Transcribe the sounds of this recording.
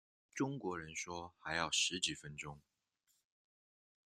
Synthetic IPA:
ʈ͡ʂʊ˥ŋkwɔ˧˥ɻə˧˦nʂwɔ˥xa˧˥ɪjɑ˥˩ʊʂɻ̩˨˥t͡ɕi˨˩fə˦nʈ͡ʂʊ˥ŋ

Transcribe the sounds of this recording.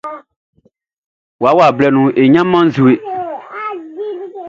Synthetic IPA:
wa˨˦wa˨blɛ˦nũ˨e˨ɲã˦mã˦n̩˦zu˨e˨

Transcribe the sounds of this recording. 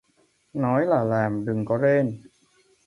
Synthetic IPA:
nɔː˦˥jlaː˨˩laː˨˩mdɯ˨˩ŋkɔ˧˥˩ɾeː˧˩n

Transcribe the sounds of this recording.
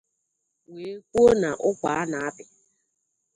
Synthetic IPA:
weː˨˦kʷo˦na˨ʔʊ˦kʷa˨a˦na˨a˦bɪ˨

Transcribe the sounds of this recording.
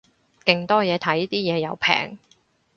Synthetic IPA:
kɪ˨ŋt̪ɔː˥jɛː˨˧t̪ʰɐ˨˥jt̪iː˥jɛː˨˧jɐ˨˧wpʰɛ̰ː˨˩ŋ

